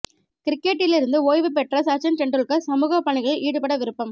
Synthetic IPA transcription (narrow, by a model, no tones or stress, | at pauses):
kɪɾɪkːeʈːɪlɪɾɯnd̪ɯoːjʋɯp̬ɛʈrɐsɐt͡ʃɐnʈɛɳɖrɯɭkːɐsɐmuːɣɐpːɐɳɪɣɐɭɐʔiːɽɯpɐɽɐʋɪɾɯpːɐm